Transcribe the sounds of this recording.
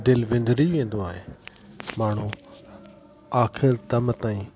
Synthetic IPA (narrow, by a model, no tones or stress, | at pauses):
d̪ɪlʋẽːnd̪ɾiʋẽːn̆d̪oaːɦeː | maːɳ̤ũ | aːkʰɪɾt̪əmt̪aːĩː